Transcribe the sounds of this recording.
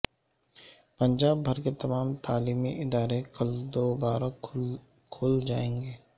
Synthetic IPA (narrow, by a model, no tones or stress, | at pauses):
pə̃ɲd͡ʒaːbːʱɐɾket̪ɐmaːmt̪aːliːmiʔɪd̪aːɾekɐld̪oːbaːɾa | kʰoːld͡ʒaːẽːŋɡeː